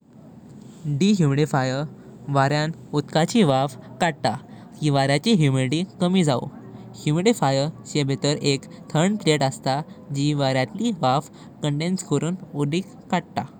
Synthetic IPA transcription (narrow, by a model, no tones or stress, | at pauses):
ɖiɦjumiɽifajəʋaɾjan | ut̪kat͡ɕiʋafkaɽ̚t̪a | kiʋaɾjat͡ɕiɦjumeɽiʈikəmiːd͡zao̰ | hjumiɽifajəɾɕebʱet̪əɾekt̪ʰəɾɳpleʈəst̪ad͡ʑiʋaɾjat̪liʋaf | kəɳɖenskəɾuːnudikːaɽ̚t̪a